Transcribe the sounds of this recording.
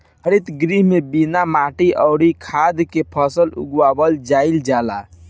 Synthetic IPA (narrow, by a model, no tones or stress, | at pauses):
ɦəɾit̪ɡɾiɦmebinamaʈiʔəʊɽikʰad̪kepʰəsəlṵɡwabəld͡ʒaɪld͡ʒala̰